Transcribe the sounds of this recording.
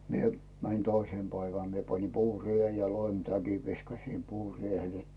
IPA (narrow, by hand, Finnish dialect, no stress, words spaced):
mie mænĭn toiseˑm pæiʋæn mie pɑni puːrien jɑ loimtækiʋ ʋiskɑsim puːriehel